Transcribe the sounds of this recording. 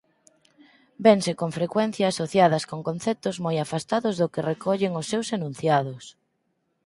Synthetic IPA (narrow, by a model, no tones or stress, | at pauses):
beŋsekoŋfɾekwɛnθjaːsoθjaðɐskoŋkonθɛt̪ʊzmojafast̪aðʊzðʊkerekʰɔʎeŋʊsːewsenũnθjaðʊs